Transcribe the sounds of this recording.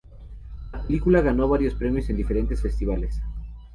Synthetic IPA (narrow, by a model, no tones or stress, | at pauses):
lapelikulaɣ̞ano̞βaɾjo̞spɾe̞mjose̞nd̪ifeɾe̞nt̪e̞sfe̞st̪iβ̞ales